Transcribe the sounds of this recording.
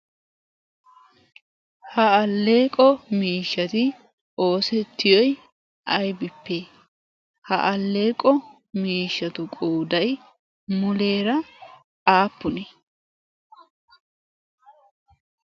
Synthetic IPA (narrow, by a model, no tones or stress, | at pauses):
hɐɐlːeːkʼɔmiːʃːɐt̪ɪ | ʔo̞ːsɛt̪ʰːɪjɔj | ʔɐjbɪpːe | hɐʔɐlːe̞ːkʼɔ | miːʃːɐt̪ʊkʼoːd̪ɐj | mʊle̞ːɾɐ | aːpːʊnɛ